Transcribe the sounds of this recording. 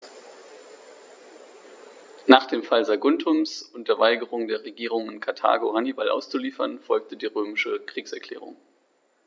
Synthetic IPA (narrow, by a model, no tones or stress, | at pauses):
naːχd̥eːmfalzaɡʊntʰʊmsʊnd̥eːɐvaɪɡəʁ̞ʊŋdeːɐʁeɡiːʁ̞ʊŋɪnkʰaɐtʰa̰ːɡohanibalʔa̰ʊst͡suliːfɐnfɔlk̚tədiːʁøːmɪʃəkʁ̥iːksɛɐkl̥ɛ̰ːʁ̞ʊ̰ŋ